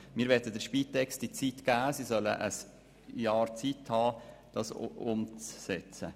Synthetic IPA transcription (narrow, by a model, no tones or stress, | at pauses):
miːɾʋɛdədəɾʃpiːtɛkst̚d̥it͡sitɡ̥æːsisœlə̰ʔəs | jɑːɾt͡sithɑːd̥ɑsʊmt͡sːɛt͡sə